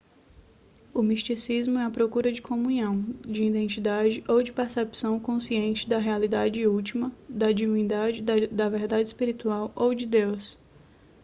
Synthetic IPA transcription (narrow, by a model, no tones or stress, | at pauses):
ʊmist͡ʃisizmʊɛɐpɾokuɾɐd͡ʒɪkʰõmũɲɐ̃w̃d͡ʒɪĩd̪ẽnt͡ʃid̪ad͡ʒɪʔowd͡ʒɪpeɾsepsɐ̃w̃kõsiẽnt͡ʃɪd̪ɐɦealid̪ad͡ʒɪut͡ʃimɐd̪ɐd͡ʒivĩnd̪ad͡ʒɪd̪ɐd̪ɐveɾd̪ad͡ʒɪispiɾit̪uawowd͡ʒɪd̪ews